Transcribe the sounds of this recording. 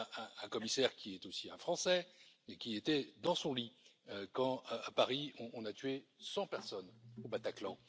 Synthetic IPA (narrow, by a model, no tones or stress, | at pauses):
ɛ̃ɛ̃kɔmisɛʁkʲiɛt̪osiɛ̰̃fχɑ̃sɛekʲiet̪ɛd̪ɑ̃sɔ̃liøkɑ̃apaʁiɔ̃ʔːnat̪ɥesɑ̃pɛʁsɔnobat̪aklɑ̃